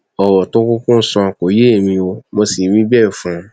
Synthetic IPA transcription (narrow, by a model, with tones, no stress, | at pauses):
ɔ˨wɔ˨tʊ˦kʊ˦kʊ̃˦n̩˦sɔ̃˧˨ko˨je˦˨mĩ˧o˧mo˧si˨mĩ˦bɛ˦˨fũ˦